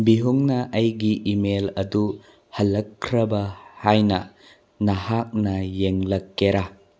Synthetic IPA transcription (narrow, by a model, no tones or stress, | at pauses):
biɦuŋnɐʔɐjɡiʔimelɐdu | hɐlːɐkʰːɾɐbɐhajnɐ | nɐhak̚nɐjeŋlɐkːeɾa